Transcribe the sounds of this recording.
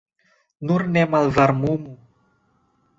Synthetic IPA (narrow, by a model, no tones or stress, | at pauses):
nurnɛmalvarmumu